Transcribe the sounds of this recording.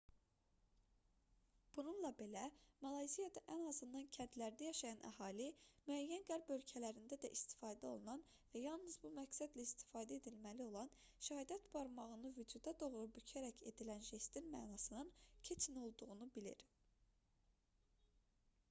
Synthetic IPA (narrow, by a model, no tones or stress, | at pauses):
b̥ununlˠɑbe̞læmɑlˠɑjzijɑd̪ɑʔænɑzɯnd̪ɑncʰænt̪læɾd̪æjɑʃɑjɑnʔæ̰hɑːlimyæjːænɡæɾbø̞lcʰælæɾind̪æd̪æ̰ʔist̪ʰi̥fɑːd̪æo̞lˠunɑn | væjɑlˠnɯzbumæksæd̪læist̪ʰi̥fɑːd̪æe̞d̪ilmælio̞lˠɑn | ʃæhɑd̪ɑt̪b̥ɑɾmɑʁɯnɯvyd͡ʒud̪ɑd̪o̞ɣɾubycʰæɾæcʰe̞̰d̪ilænʒesd̪inmæ̰ːnɑsɯnɯncʰet͡ʃʰino̞lˠd̪uʁunubilḭɾ